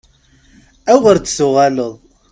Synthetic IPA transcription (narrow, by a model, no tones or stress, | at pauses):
æʁəɾt͡sːsuʁaləðˤ